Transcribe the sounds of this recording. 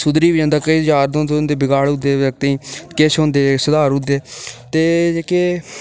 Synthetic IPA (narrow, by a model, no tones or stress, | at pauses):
sʊd̪ɾiːbɪd͡ʒãːnd̪aːkəid͡ʒaːɾd̪õːt̪ːnd̪eːbɪɡaːɽʊd̪eːək̚t̪eːkeʃɦõːnd̪eːsəd̪aːɾʊd̪eːt̪eːeːkeː